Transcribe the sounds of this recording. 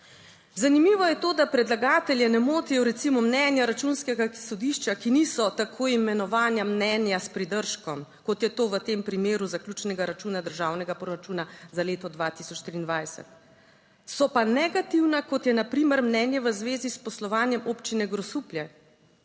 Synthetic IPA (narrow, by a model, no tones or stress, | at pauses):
zanimiːʋɔjɛt̪oːd̪apɾɛd̪laɡaːt̪ɛljɛnɛmoːt̪ijɔɾɛt̪simɔmnɛnjaɾat͡ʃunskɛɡasɔd̪iʃt͡ʃakinisɔt̪akʰoːjimɛnɔʋaːnjamnɛnjaspɾid̪əɾʃkɔmkɔt̪jɛt̪oːʋət̪eːmpɾimeːɾuzaklʲut͡ʃnɛɡaɾat͡ʃuːnad̪əɾʒaːwnɛɡapɾɔɾat͡ʃuːnazaleːt̪ɔd̪ʋat̪isɔt͡ʃt̪ɾiːnd̪ʋajsɛ̰t̪ | sɔpanɛɡat̪iwnakɔt̪jɛnapɾiːməɾmnɛːnjɛʋəzʋeːzispɔslɔʋaːnjɛmoːpt͡ʃinɛɡɾɔsupljɛ